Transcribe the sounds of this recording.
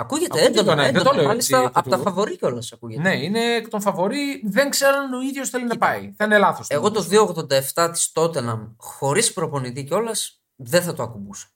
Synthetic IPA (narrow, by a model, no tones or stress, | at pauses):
ɐkuʝet̪eed̪onɐðet̪omɐlist̪ɐɐpot̪ɐfɐvo̞ɾiceo̞lɐsɐkuʝeneine̞kt̪onfɐvo̞ɾiðeŋkse̞ɾɐnoiðʝosθe̞linɐpɐiθɐinelɐθoseɣo̞t̪ozðiooɣðo̞nd̪ɐeft̪ɐt̪i̥st̪o̞t̪enɐmxo̞ɾispɾo̞po̞nit̪̬iceo̞lɐs | ðeθɐt̪oɐkubusɐ̥